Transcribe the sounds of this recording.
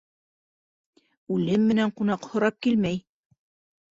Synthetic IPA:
ʉlɘmːɘ̆næɴqunɑqhŏɾɑp̚kilmæj

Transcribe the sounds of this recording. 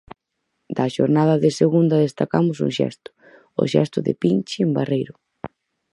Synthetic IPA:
d̪ɐʃo̰ɾnaðɐðɪseɣund̪ɐðest̪akamʊsṵŋʃɛ̰st̪ʊ̥ | ʊ̰ʃɛ̰st̪ʊðɪ̰pint͡ʃɪembarejɾʊ

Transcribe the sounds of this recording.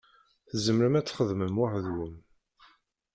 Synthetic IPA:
θəzəmɾəmæt͡sːχəðməmwaħðwəm

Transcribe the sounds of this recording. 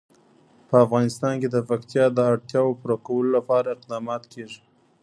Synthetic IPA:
pəafɣɑnɪst̪ɑnked̪əpakt̪jɑd̪əaɽt̪jɑwopuɾakawəlolapɑɾaɪqd̪ɑmɑt̪kʰeʐi̥

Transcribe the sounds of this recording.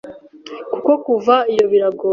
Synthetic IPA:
kuko̞kuvaijo̞βiɾaɡoː

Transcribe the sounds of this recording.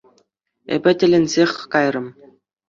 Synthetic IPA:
ḛbʲɘ̆tʲɘ̆lʲɘ̆nʲzʲexʲkɑjrɤ̆m

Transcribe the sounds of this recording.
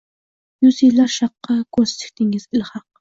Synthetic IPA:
nʊsilɑɾʃɑqːɑkost̪ɪ̥kʲt̪ɪŋɪzɪlhɑq̚

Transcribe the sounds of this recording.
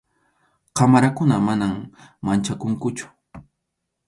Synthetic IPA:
qamaɾakʊnamanammant͡ʃakʊŋkʊt͡ʃʊ̥

